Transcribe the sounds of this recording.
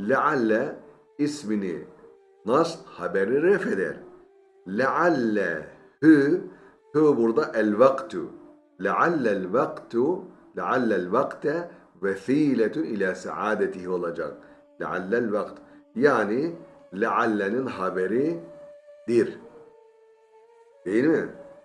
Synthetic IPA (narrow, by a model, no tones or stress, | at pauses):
laʕalːæ | isminḭ | nɑshɑbɛɾiɾɛfed̪ɛ̰ɾ | laʕalːɛ | hy | hubuɾd̪ɑʔælwaqt̪ṵ | laʕalːælwaqt̪u | laʕalːælwaqt̪ɛ | vɛsiːlɛt̪unilaːsa̰ʕaːd̪ɛt̪ihio̞lˠɑd͡ʒɑ̰q̚ | læ̰ʕa̰lːælwaqt̪jaʕnilaʕalːɛninɦabeɾi | d̪̥iɾ | d̪̥ejilʲmḭ